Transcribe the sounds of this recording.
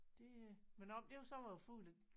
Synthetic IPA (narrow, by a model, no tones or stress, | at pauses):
d̥e̝menɒmd̥e̝jsɒ̽ʋɑjofulæ̥